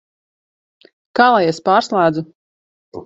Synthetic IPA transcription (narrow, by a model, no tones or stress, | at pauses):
kaːlˠajɛspaːɾslˠaːd̪zu